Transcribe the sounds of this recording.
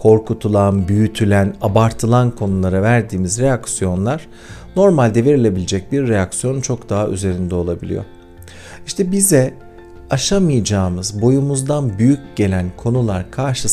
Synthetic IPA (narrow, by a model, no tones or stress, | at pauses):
kʰo̞ɾkʰut̪ʰulˠanbyjyt̪ʰylʲænabaɾt̪ʰɯlˠankʰo̞nulˠaɾavæɾd̪iːmizɾe̞jaksijo̞nlˠaɾ̥ | no̞ɾmalʲd̪eveɾilʲe̞bilʲed͡ʒɛc̚biɾːejaksijo̞nunt͡ʃʰo̞kd̪aɦaʔy̰ze̞ɾind̪ɛo̞lˠabilʲḭjo̞̰ | iʃt̪ʰɛbizɛ | aʃamɯjd͡ʒaːmɯzbo̞jumuzd̪anbyjycɟe̞lʲænkʰo̞nulˠa̰ɾkʰaɾʃɯ